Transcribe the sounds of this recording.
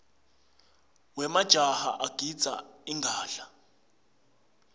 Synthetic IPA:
wɛmad̥ʒ̥ʱaha̰ʔaɡ̥ʱid̥d͡z̥ʱa̰iŋɡʱaːɬa

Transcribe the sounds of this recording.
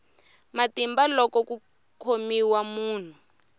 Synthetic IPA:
matimbalɔkɔku | kʰomiwamuːn̤u

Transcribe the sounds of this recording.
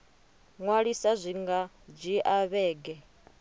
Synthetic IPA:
ŋwaɺisazʷiŋɡa | b͡ʐʷiʔaβɛːɡɛ

